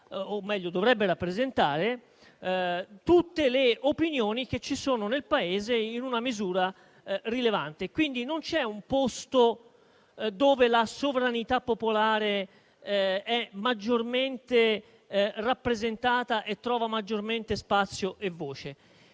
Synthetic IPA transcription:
omːɛʎːod̪ovɾɛbːeɾapːɾezent̪aːɾe | t̪ut̪ːeleopinjoːnik̟et͡ʃːisoːnonelpaeːzeinunamizuːɾa | rilevant̪ekwind̪inont͡ʃɛumpost̪o | d̪oːvelasovɾanit̪apːopolaːɾe | ɛmad͡ʒːorment̪e | rapːɾezent̪aːt̪aʔet̪ːɾɔːvamad͡ʒːorment̪espat̪sːjoʔevːoːt͡ʃe

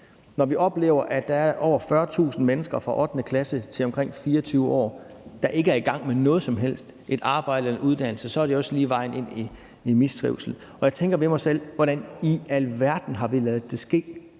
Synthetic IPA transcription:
nɒʋiʔɒ̽b̥le̝̰ːʊ̰ɐʔæd̥ɑ̈æɐɐʔɒʊ̰ɐfɶːɐt͡sʰṵːsn̩menəsɡ̥ɐfʁɑ̈ʔɒ̽d̥nəkʰlæsət͡sʰe̝lɒ̽mkʰʁeŋ̰fiːɐɒt͡sʰyːʊəɒ̰ːd̥ɑ̈ʔe̝ɡ̥əæɐiɡ̥ɑ̈ŋ̰menɔ̽ːð̩ˠsɒ̽mɦel̰sd̥ʔe̝d̥ɑ̈ːb̥ɑ̈ɪ̰d̥ənuð̞ˠd̥æn̰l̩səsɒ̽æɐɾ̥e̝ɒ̽səliːʋɑ̈ɪ̰ne̝n̰i | imisd̥ʰʁḭʊsl̩ | ɒ̽jɑ̈ɪt͡sʰeŋɡ̥ɐʋe̝mɑ̈ɪsel̰ʋɒɾ̥æniælʋæɐd̥n̩ɦɑ̈ʋilɛːð̩ˠd̥e̝sɡ̥e̝̰ː

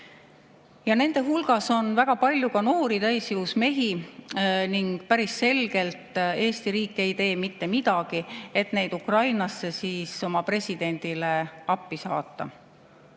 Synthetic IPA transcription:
jɑne̞nd̪̥e̞ɦulɡ̥ɑso̞nvæɡ̥ɑpɑlʲjukɑno̞ːɾit̪æjsjuusme̞ɦi | niŋɡ̥̚pæɾisːe̞lɡ̥e̞lt̪ˑe̞ːst̪iɾiːkːˑe̞jt̪e̞ːmit̪ːe̞mid̪̥ɑɡ̥ie̞t̪ne̞jd̪ukrɑjnɑsːe̞siːso̞mɑpre̞sʲid̪̥e̞nʲd̪̥ile̞ɑpːisɑ̰ːt̪ːˑɑ̰

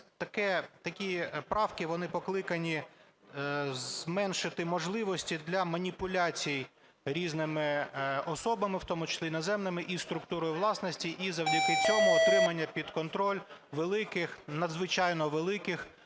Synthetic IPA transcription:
t̪ɐkɛt̪ɐkʲipɾɑwkɪʋɔnɪpɔklˠɪkɐnʲi | zzmɛnʃɪt̪ɪmɔʒlˠɪʋɔsʲtʲid̪lʲɐmɐnʲipʊlʲat͡sʲijij | ɾʲiznɪmɪɔsɔbɐmɪwt̪ɔmʊt͡ʃɐ̥sʲinɐzɛmnɪmɪʔist̪ɾʊkt̪uɾɔjʊʋlˠɑsnɔsʲtʲiʔizɐwdʲikɪt͡sʲɔmʊːt̪ɾɪmɐnʲːɐpʲid̪kɔnt̪ɾɔlʲʋelˠɪkɪxnɐd̪zʋɪt͡ʃɑjnɔʋelˠɪkɪx

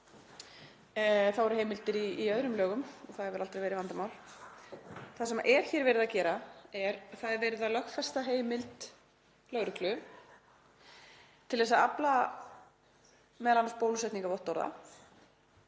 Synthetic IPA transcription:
θawɛɾ̥heːjmɪlt̪ɪɾiiœðɾʏmlœːɣʏmɔθaðɛɾvɪɾʔalt̪ɾajvɛːɾɪvant̪amawl | θasɛma̰ʔɛɾ̥çɛːɾvɛːɾɪðacɛːɾaɛɾθaðɛɾvɛːɾɪðalœxfɛst̪aɦeːjmɪlt̪ | lœɣɾʏklʏ | t̪ʰɪlðɛsaapla | mɛðlanːaspoːwlsɛjt̪niŋkavɔwht̪ːɔwɾða̰

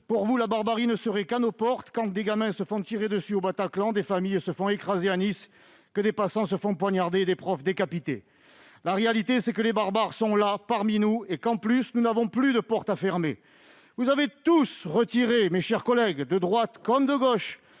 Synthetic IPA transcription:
puʁvulabaʁbaʁinəsəʁɛkanopɔʁt̪kɑ̃d̪eɡamɛ̃səfɔ̃t̪iʁed̪əsyobat̪aklɑ̃d̪efamijsəfɔ̃ekχazeanis | kəd̪epasɑ̃səfɔ̃pwaɲaʁd̪eːd̪epχɔfd̪ekapit̪ḛ | laʁealit̪esɛkəlebaʁbaʁsɔ̃lapaʁminuekɑ̃plysnunavɔ̃plyd̪əpɔʁt̪afɛʁme | vuzavet̪usʁət̪iʁemeʃɛʁkɔlɛɡd̪əd̪ʁwat̪kɔmd̪əɡɔʃ

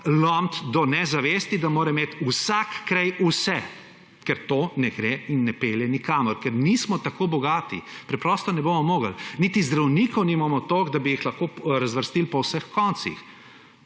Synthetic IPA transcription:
lɔmt̪d̪ɔnɛzaʋeːst̪id̪amoːɾɛmeːt̪usakːɾajusɛ | kɛɾt̪onɛɡɾeinːɛpeljɛnikaːmɔɾkɛɾnismɔt̪akobɔɡaːt̪ḭpɾɛpɾɔst̪ɔnɛbomɔmoːɡəlnit̪izd̪ɾawniːkɔwnimamɔt̪oɡd̪abijixlɐxkoɾazʋəɾst̪ilpɔwsəxkɔnt̪sḭx

